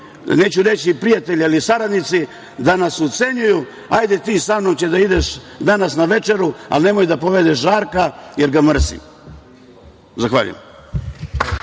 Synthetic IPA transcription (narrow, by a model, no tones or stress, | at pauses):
neːt͡ɕuɾe̞t͡ɕipɾijat̪e̞ʎialisaɾad̪nit̪si | d̪anasot̪se̞ɲuju | ajd̪et̪iːsamnomt͡ɕed̪aid̪eʃd̪anasnaʋe̞t͡ʃe̞ɾua̰lne̞mo̞jd̪apo̞ʋed̪eʃʒaːɾkajeɾɡamr̩sḭ | zaxʋa̰ʎṵjḛm